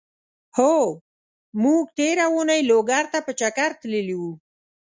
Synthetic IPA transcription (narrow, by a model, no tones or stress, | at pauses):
ho | muɡʈ̪eɾaunajloɡaɾt̪apət͡ʃakaɾt̪ləliwu